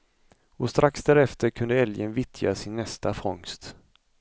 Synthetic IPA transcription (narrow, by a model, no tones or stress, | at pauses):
ɔst̪ɾʔaksd̪æɾɛft̪əɾkʰɵnd̪əɛljənvɪt̪ʰja̰sɪnːɛst̪afɔŋst̪